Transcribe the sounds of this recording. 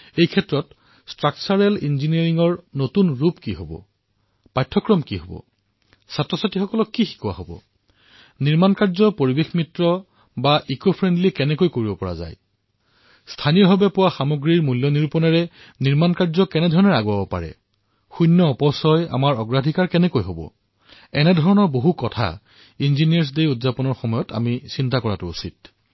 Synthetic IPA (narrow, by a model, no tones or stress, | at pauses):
ejkʰɛtɹɔt | stɹak̚t͡ʃaɹɛlinziniaɹiŋɔɹnotunɹupkiɦobɔ̰ | pajtʰːɔkɹɔmkiɦobɔ̰ | satɹɔsatixɔkɔlɔkːixi̥kuwa̰ɦobɔ̰ | niɹmankaɹzɔpoɹibexmitɹɔ | baʔikopʰɹɛndlikɛnɛkojkoɹibɔpɔɹa̰za̰j | stʰaniɹɦɔbɛpʊwaxamoɡɹiɹmuljɔniɹupɔnɛɹɛ | niɹmankaɹzɔkɛnɛdʱɔɹɔnɛɹaɡuabɔpa̰ɹɛ̰ | xunːɔɔpɔsɔja̰maɹɔɡɹadʱikaɹkɛnɛkojɦobɔ̰ | ɛnɛdʱɔɹɔnɔɹboɦukɔtʰa̰ | inzinijaɹs̬dejudzapɔnɔɹxɔmɔjɔta̰misintakɔɹatʊusit̚